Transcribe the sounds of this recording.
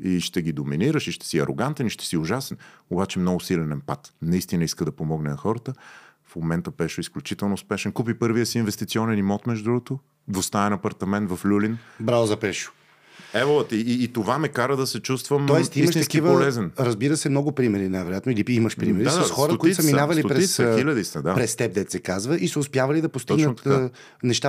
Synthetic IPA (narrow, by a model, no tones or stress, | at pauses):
iʃt̪ɛɡid̪ominiɾəʃiʃt̪ɛ̥siɐ̰ɾo̰ɡant̪ɛniʃt̪ɛ̥siʊʒasɛnobat͡ʃɛmnɔɡʊsilɛnɛnpat̪nɐist̪inəiskəd̪ɐpomɔɡnɛnɐxɔɾət̪ə | fmomɛnt̪əbɛʃʊisklʲut͡ʃit̪ɛlˠnoʊspɛʃɛnkup̬ipɤɾvijəsiːnvɛst̪it̪siɔnɛnimɔt̪mɛʒʊd̪ɾuɡʊt̪o | d̪vost̪aɛnɐpɐɾt̪ɐmɛnt̪vɐflʲulinbɾalˠzɐpɛʃʊ̥ | ɛvolˠət̪iːt̪ovamɛkaɾəd̪ɐsɛt͡ʃust̪vəmɔɛt̪iiiməʃt̪ɐkivəpolɛzɛnɾɐzbiɾəsɛmnɔɡʊpɾimɛɾinajvɛɾojat̪niliiməʃpɾimɛɾisɐsxɔɾət̪koit̪sɐminavɐliɾɛsxilʲɐd̪isɐd̪apɾɛst̪ɛp̚d̪ɛt̪sɛkazvəʔisɐʊspjavɐlid̪ɐpost̪iɡnət̪ː | nɛʃt̪a